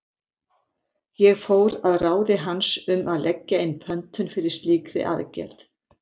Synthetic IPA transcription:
jɛɣfoːwɾaðraːwðɪɦansʏmʔaðlʔɛcːaɪnːpʰœnt̪ʏnfɪɾɪɾ̥st̪liːkɾɪ̰ʔa̰ðcɛ̰ɾ̥θ

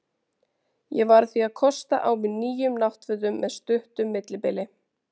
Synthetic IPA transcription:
jɛvaɾθiaðkʰɔst̪aʔaːwmɪðniːjʏmnaht̪fʏːðʏmːɛðst̪ʏht̪ʏmːɪt̪lɪpɪlɪ

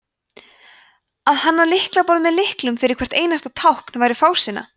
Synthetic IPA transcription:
aðhanːalɪhklapɔɾðmɛðlɪhklʏmfɪɾɪɾkʰvɛr̥t̪eːjnast̪at̪ʰawhknvaːjɾɪfaːwsɪna̰

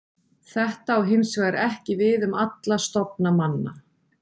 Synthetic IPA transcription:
θɛht̪aːwɦɪnsvaɾɛhcɪvɪðʏmat̪last̪ɔp̚namanːa̰

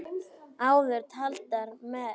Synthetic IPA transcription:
aːwðʏɾt̪ʰalt̪aɾmɛ

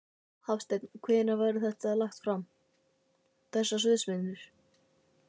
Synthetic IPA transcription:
hafst̪ɛknkʰvɛːnavaːjɾɪθɛht̪aðlaxt̪fɾam | θɛsːasʏðsmɪnːʏɾ̥

